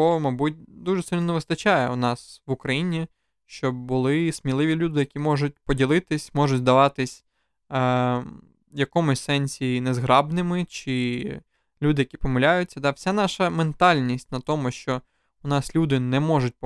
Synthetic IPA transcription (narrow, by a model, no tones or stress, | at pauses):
ɔmɐbutʲd̪uʒɛsɪlʲnɔneʋɪst̪ɐt͡ʃajɛ̰ʊnɑsʋʊkɾɐjinʲi | ʃt͡ʃɔbʊlˠɪsmʲilˠɪʋʲilʲud̪ɪjɐkʲimɔʒʊt̚ʲpɔdʲilˠɪt̪ɪsʲmɔʒʊtʲzd̪ɐʋɑt̪ɪsʲ | jɐkɔmʊsʲsɛnʲsʲinɛzɦɾɑbnɪmɪt͡ʃɪ | lʲud̪ɪjɐkʲipɔmɐlʲajʊt͡sʲːɐd̪ɑwsʲanɑʃɐment̪ɑlʲnʲisʲtʲnɐt̪ɔmʊʃt͡ʃɔ | ʊnɑslʲud̪ɪnɛmɔʒʊt̚ʲ